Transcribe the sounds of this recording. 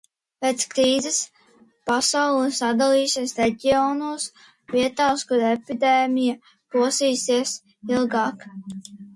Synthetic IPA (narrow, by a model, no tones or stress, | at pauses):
pet̪skɾiːzɛs | pasawlˠisad̪alˠiːsiɛsɾeɟʲiɔnuɔs | viɛt̪aːskuɾepid̪eːmʲija | puɔsiːsiɛs | ilˠɡɑːk